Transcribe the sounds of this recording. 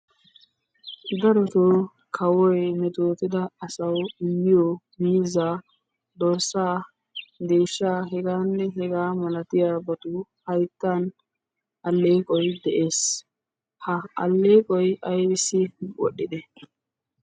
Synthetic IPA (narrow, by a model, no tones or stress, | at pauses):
d̪ɐɾɔt̪o | kʰɐwɔjmɛt̪oːt̪ɪd̪ɐɐsɐwɪmːɪjo | miːzaː | d̪ɔɾsːaː | d̪e̞ːʃːaːɦɛɡaːnːɛɦɛɡaːmɐlɐt̪ɪjaːbɐt̪ʊhɐjt̪ːan | ɐlːeːkʼɔjd̪ɛʔe̞ːs | hɐɐ̰lːeːkʼɔjɐjbɪsɪwɔ̰ɗːɪd̪ɛ